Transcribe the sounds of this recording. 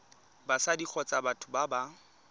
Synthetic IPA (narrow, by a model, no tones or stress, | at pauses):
basadik͡xʰɔt͡sʼabatʰʊbaba